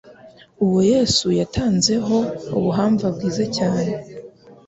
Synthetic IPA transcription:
uwoje̞ːsujatʰaːnze̞ɦo̞uβuɦaːɱvabɡiːzacaːne

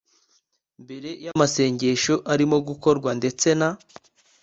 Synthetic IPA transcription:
mbe̞ɾe̞jamase̞ːɲɟe̞ʃoʔaɾimo̞ɡuko̞ɾɡwande̞t͡se̞na

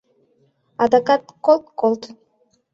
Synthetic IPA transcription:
ɑd̪akat̪kolˠt̪kolˠt̪

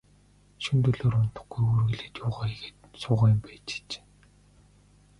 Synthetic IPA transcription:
ʃunt̪ɵɮoːɾʊn̥t̪ə̥̆χɡ̥ujurɣɘ̆ɮeːt̪jʊːʁaːeɣeːt̪sʊːʁaːjʊmpæːt͡ɕi̥t͡ɕː

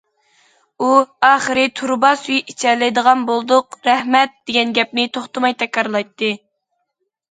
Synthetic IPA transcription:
uɑːχəɾɨt̪ʰuɾbɑsyjit͡ʃʰɛlɪd̪əʁɑnbolˠd̪ʊqɾɛhmɛt̪̚d̪̥eɡʲɛnɡʲɛp̚nɪt̪ʰoχt̪ɨmɑjt̪ʰɛkʲɾɑɾlˠɑjt̪ːɨ

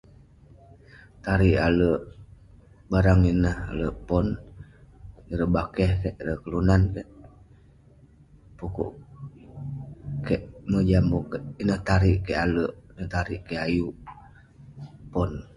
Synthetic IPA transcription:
t̪aɾiʔaləʔ | baɾaŋinəha̰ləʔpɔn | iɾəbakɛhkɛʔiɾəhkəlunankɛʔ | pukṵʔ | kɛʔməd͡ʒamukinəht̪aɾiʔkɛʔaləʔnət̪aɾiʔkeʔajuʔ | pɔn

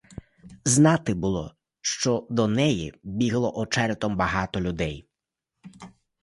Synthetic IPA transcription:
znɑt̪ɪbʊlˠɔ̰ | ʃt͡ʃɔd̪ɔnɛjḭbʲiɦlˠɔʔɔt͡ʃɛɾt̪ɔmbɐɦɑt̪ɔlʲʊd̪ɛj

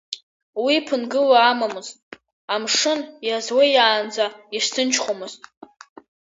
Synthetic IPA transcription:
wipʰɨnɡɨlaːmamɨztʼ | amʂɨnjazwejaːnd͡zaiʂsʰɨnt͡ʃʰχʷomɨz̥tʼ

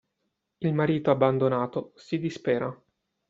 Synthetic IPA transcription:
ilmaɾiːt̪oabːand̪onaːt̪osid̪ispɛːɾa

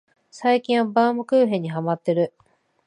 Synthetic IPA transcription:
saikʲĩɰ̃βabaːmɯ̟kɯːɦẽ̞ɲ̟ːiɦamat̪ːe̞ɾɯ̟

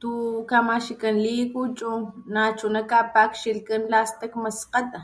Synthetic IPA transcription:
t̪ukamaʃikanlikut͡ʃʼunat͡ʃunakapakʃilkanlast̪akmasqat̪a

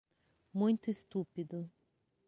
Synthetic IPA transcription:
mũj̃t̪ʊest̪upid̪ʊ

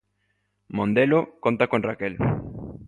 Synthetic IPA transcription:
mõnd̪elokont̪akonrakel

